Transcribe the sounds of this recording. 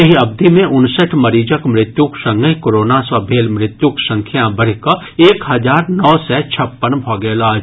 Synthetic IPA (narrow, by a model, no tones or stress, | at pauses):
ɐɦiɐb̚d̪ʱimẽʔʊnsəʈʰmɐɾiːd͡ʒəkmɾɪt̪juksə̃ŋɡəikoɾoːnasəbʱeːlmɾɪt̪juksə̃ŋkʰjãbəɾka | eːkɦɐd͡ʒaːɾnɔːsɛːt͡ʃʰɐpːənbʱɔːɡɛːlaː